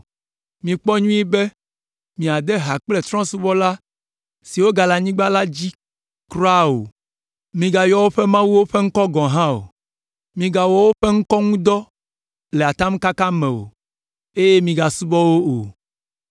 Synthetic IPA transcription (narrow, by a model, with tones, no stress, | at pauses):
mĩ˨k͡pɔ˦ɲũ˦i˦be˦ | mĩ˨a˨d̪ɛ˦ɦa˨k͡ple˨t̪ɾɔ̃˦su˦bɔ˦la˦ | si˨wo˦ɡa˨la˨ɲĩ˦ɡ͡ba˦la˦d͡ʑi˦ | kɾɔ˦a˦o̰˨ | mĩ˨ɡa˨jɔ˦wo˦ɸɛ˦mã˦wu˦wo˦ɸe˦ŋ̩˦kɔ˦ɡɔ̃˨ɦã˦o̰˨ | mĩ˨ɡa˨wɔ˨wo˦ɸe˦ŋ̩˦kɔ˦ŋũ˦d̪ɔ˦ | lɛ˨a˨t̪a˦m˦ka˦kã˦mɛ̃˨wo̰˨ | e˦je˦mĩ˨ɡa˨su˦bɔ˦wo˦o˨